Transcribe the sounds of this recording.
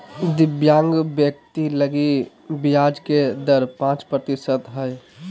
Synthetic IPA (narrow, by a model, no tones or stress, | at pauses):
d̪ɪbjãːŋɡbjək̚t̪iləɡi | bijaːd͡ʒked̪əɾpãːt͡ʃpɾət̪ɪsət̪ɦəj